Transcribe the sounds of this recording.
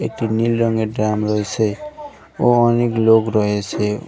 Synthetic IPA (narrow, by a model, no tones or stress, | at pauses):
eʈinilɾʌŋɡeɖɾamɾʌɦet͡sʰe | oɔneklokɾʌɦet͡sʰe